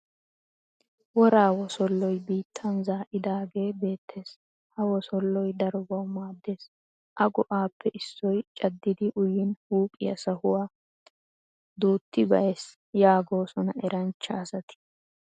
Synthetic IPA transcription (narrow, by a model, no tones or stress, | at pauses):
wɔɾaːwɔsɔlːɔjbiːt̪ʰːɐnzaːʔɪd̪aːɡe̞ːbe̞ːt̪ːe̞ːs | hɐwɔsɔlːɔjd̪ɐɾʊbɐwmaːd̪ːe̞ːs | ʔɐɡɔʔaːpːɛʔɪsːɔjt͡ʃʼɐd̪ːɪd̪ɪʔʊjɪnhuːkʼɪ̰jɐ̰sɐhʊwaː | d̪uːt̪ːɪbɐ̰ʔeːs | jaːɡo̞ːsɔnɐɛɾɐnt͡ʃːɐːsɐt̪ɪ̥